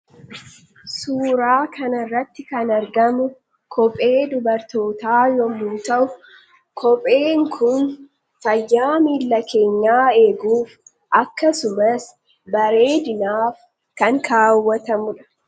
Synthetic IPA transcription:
suːɾaːkɐnɐrːɐt̪ːɪkɐnɐɾɡɐmʊ | kʰɔpʼe̞ːd̪ʊbɐɾt̪o̞ːt̪aːjɔmʊːnt̪ɐʔʊ | kʰɔpʼe̞ːŋkʰʊn | fɐjːaːmilːɐke̞ːɲːaːe̞ːɡuːf | ʔɐkːɐsʊmɐs | bɐɾe̞ːd̪ɪnaːf | kɐŋkʰaːwːɐt̪ɐmʊᶑɐ̥

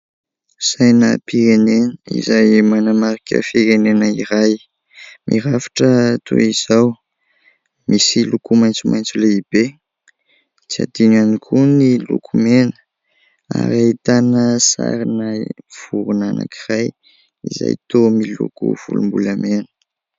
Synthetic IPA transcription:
sajnəpiɾenenəḭzajmanamaɾikʲə̰fiɾenenəiɾaj | mʔḭɾafḁʈ͡ʂət̪ʰṵiz̥aw | misilukumajnt͡sumʔajnt͡suleib̥e | t͡sia̰d̪inanikʰunilṵkʰumenə̥ | a̰ɾait̪anəsa̰ɾinajv̥uɾunana̰kʰiraj | iza̰jt̪omilṵkṵv̥ṵlumbuləmenə̥

